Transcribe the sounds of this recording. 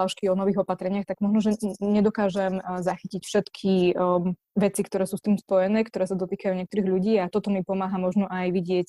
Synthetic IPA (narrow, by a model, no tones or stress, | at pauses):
aʊʃkiɔnɔʋiːɣɔpat̪ɾɛɲɪaxt̪aɡmɔʒnɔʒɛɲɛd̪ɔkaːʒɛmzaxicicfʃɛt̪kʰi | ʋɛt͡sikt̪ɔɾɛːsuːst̪iːmspɔjɛnɛːkt̪ɔɾɛːsad̪ɔt̪iːkajuɲɛkt̪ɔɾiːɣʎuɟiːat̪ɔt̪ɔmipɔmaːɦamɔʒnɔʔajʋiɟɪɛc